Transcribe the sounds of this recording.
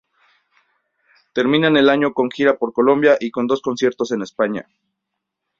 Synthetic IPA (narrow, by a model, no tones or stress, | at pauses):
t̪e̞ɾmĩnane̞laɲo̞ko̞ŋxiɾapo̞ɾko̞lo̞mbjaʔikond̪o̞sko̞nsje̞ɾt̪o̞se̞ne̞spaɲa̰